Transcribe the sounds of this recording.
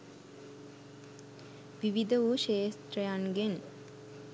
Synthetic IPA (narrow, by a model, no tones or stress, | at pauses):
ʋiʋid̪əʋuʃeːst̪rəjaŋɡen